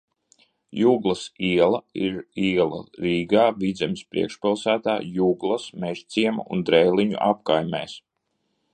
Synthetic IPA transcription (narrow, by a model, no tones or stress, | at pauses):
juːɡlˠɐsiɛlˠɐiɾiɛlˠɐ̰ɾiːɡaːvid̪zʲɛmspɾḭɛkʃpilˠsæːt̪aːjuːɡlˠɐsmɛʒ̥t̪sʲiɛma̰ṵnd̪ɾɛjliɲṵʔapkajmʲɛ̰ːs